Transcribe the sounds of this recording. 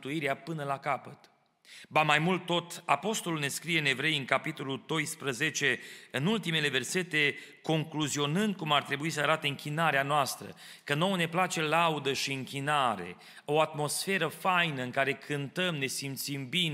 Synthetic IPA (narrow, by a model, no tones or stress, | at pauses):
t̪uiɾeapɨnəlakapət̪ | bamajmult̪ːo̞t̪apo̞st̪olulne̞skɾije̞ɨne̞vɾe̞jɨŋkapit̪o̞luld̪o̞jspɾəze̞t͡ʃe̞ɨnult̪ime̞le̞ve̞rse̞t̪e̞ko̞ŋkluzio̞nɨnd̪̚kumart̪ɾe̞buisəaɾat̪eɨŋkʲinaɾeanoast̪ɾə̰kəno̞wne̞plat͡ʃe̞laud̪əʃiɨŋkʲinaɾe̞̰ | o̞at̪mo̞sfe̞ɾəfajnəɨŋkaɾe̞kʰɨnt̪əmne̞simt̪simbin